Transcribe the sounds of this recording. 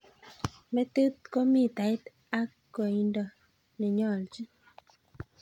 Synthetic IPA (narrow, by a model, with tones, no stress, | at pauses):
mɛ˦t̪e˦t̪̚kɔ˦mi˦˨t̪a˨ɪ˦t̪ | a˦kːo˨i˨ndɔ˨ | ni˨ɲɔ˦˨ld͡ʒi˦